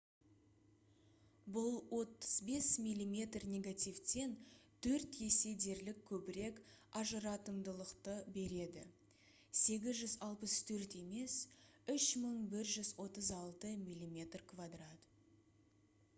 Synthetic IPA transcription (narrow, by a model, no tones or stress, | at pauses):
bʊlˠwo̞t̪ə̥zbe̞smijlʲːimʲe̞t̪rnʲe̞ɡat̪ʲijft̪e̞nt̪ʰɵɾt̪je̞se̞d̪e̞ɾlɪkʲʰːɵbɪɾe̞kɑʒəɾɑt̪əmd̪əlˠəqt̪əbe̞ɾe̞d̪ɪ̰ | se̞ɡʲɪzʒʏzɑlˠpəst̪ʰɵɾt̪e̞me̞sʏʃməɴbɪɾʒʏzwo̞t̪əzɑlˠt̪əmijlʲːimʲe̞t̪rkʰvad̪rat̪